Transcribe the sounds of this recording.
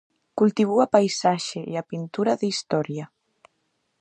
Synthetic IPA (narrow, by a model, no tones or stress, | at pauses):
kult̪iβ̞uapajsaʒeḭapint̪uɾaðist̪ɔɾja